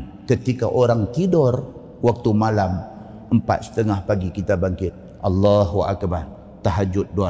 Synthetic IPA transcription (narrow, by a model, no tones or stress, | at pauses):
kət̪ikaʔoɾaŋt̪idɔr | wak̚t̪umalam | əmpa̰t̪̚sə̥t̪əŋahpaɡikit̪abaŋkɪt̪̚ | ʔɑlːaɦuʔa̰kbar | t̪aɦad͡ʒʊt̪̚doa